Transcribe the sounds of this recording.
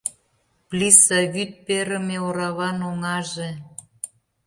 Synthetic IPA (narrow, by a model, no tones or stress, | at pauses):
plʲisɑβyt̪̚peɾə̆meoɾɑβɑnoŋɑʒe